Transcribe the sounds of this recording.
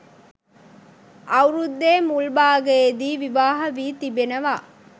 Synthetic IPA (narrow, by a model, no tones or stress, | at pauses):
ɐwɾud̪ːeːmulbaːɡɐed̪iːʋiʋaːɦɐʋiːt̪ibenɐʋa̰ː